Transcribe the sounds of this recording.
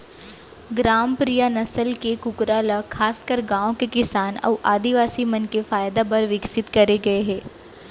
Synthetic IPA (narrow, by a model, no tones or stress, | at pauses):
ɡɾaːmpɾijanɐsəlkekʊkɾalakʰaːskəɾɡãːõkekɪsaːnɔ̰ːʔaːd̪iʋaːsimɐnkefaːjd̪apɐɾʋɪksɪt̪kɐɾeɡɐeɦɛː